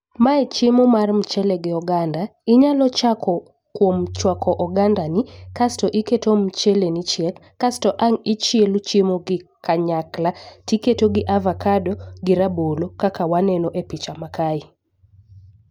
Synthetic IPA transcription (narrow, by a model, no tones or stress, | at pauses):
maɛt͡ʃɪmomarm̩t͡ʃeleɡɪɔɡandaɪɲalɔt͡ʃakʰɔ | kwomt͡ʃwakʰɔʔɔɡandanɪkastɔʔiketom̩t͡ʃelenit͡ʃjel | kastɔʔaŋit͡ʃelut͡ʃimoɡɪkaɲaklatiketoɡɪʔavakadoɡɪɾabolokakawanɛnoʔepit͡ʃamakaɪ